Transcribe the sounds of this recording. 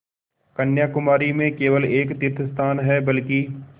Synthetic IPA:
kɐnjaːkʊmaːɾimẽkeːʋəleːkt̪ɪɾt̪ʰəst̪ʰaːnɦɛbɐlki

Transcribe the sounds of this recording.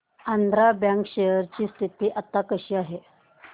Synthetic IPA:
and̪ɾabjãŋkɕejəɾt͡ɕiːst̪ʰit̪iːʔat̪ːakəɕiːaɦe

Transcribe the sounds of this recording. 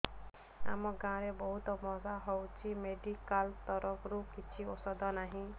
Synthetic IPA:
a̰mɔɡãɾebɔɦut̪ɔmɔzaɦɔwt͡ʃʰimeɖikalt̪ɔɾɔɡɾukit͡ʃʰiosɔd̪ʱɔnaɦĩ

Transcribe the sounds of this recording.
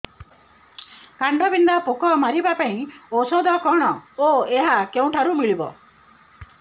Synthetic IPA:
kaɳɖɔbind̪apokɔmaɾibapaĩosɔd̪ɔkɔɽ̃ɔoeɦakeũʈʰaɾumiɭibɔ̰

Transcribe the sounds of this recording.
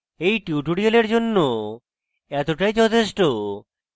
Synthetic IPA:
ejʈuuʈuɽioleɾd͡ʑonːo | ɛt̪oʈajd͡ʑɔt̪ʰeʃʈo

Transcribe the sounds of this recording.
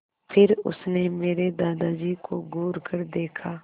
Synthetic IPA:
pʰɪɾʊ̰snemeːɾed̪aːd̪aːd͡ʒikoɡʱuːɾkəɾd̪eːkʰaː

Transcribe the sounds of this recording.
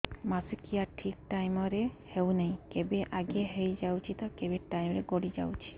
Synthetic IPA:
masikiaʈʰikʈajmɔɾehewneĩkebeʔaɡeɦejd͡ʒawt͡ʃʰit̪ɔkebeʈajmɔɾeɡoɽid͡ʒa̰wt͡ʃʰi̥

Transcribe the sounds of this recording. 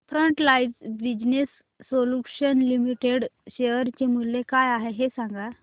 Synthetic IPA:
fɾəɳʈlajd͡zbid͡ʑnesː | oluɕənlimiʈeɽɕeəɾt͡ɕemulːekajaɦeɦesãŋɡa

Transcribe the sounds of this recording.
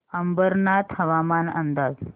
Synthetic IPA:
əmbəɾnat̪həʋamanə̰nd̪ad͡z

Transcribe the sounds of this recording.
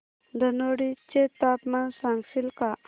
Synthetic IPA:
d̪ənoɽit͡ʃet̪apmansaŋɡfilka

